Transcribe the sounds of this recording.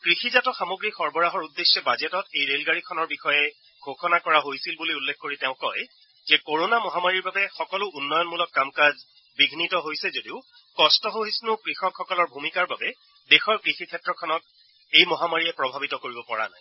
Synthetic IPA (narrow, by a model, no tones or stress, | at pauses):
kɹixizatɔxamoɡɹixɔɹbɔɹaɦɔɹudːesːɔbazetɔtejɹelɡaɹikʰɔnɔɹbixɔjɛ | ɡʱoxɔnakɔɹaɦojsilbuliulːekʰkoɹiteʊ̃kɔj | zɛkoɹonamɔɦamaɹiɹbabɛxɔkɔlʊunːɔjɔnmulɔkːamkaz | biɡʱnitɔɦojsɛzodiʊ | kɔstɔɦoɦisnʊkɹixɔkxɔkɔlɔɹbʱumikaɹbabɛ | dexɔɹkɹixikʰɛtɹɔkʰɔnɔt̚ | ejmɔɦamaɹiɛpɹɔbʱabitɔkoɹibɔpɔɹa̰na̰j